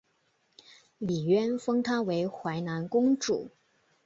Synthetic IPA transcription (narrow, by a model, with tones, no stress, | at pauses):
li˨˩ɥɛ˥nfɤ˥ŋt̪ʰa˥we˧˥ɪxwa˧˥ɪna˧˥nkʊ˥ŋʈ͡ʂṵ˨˩˦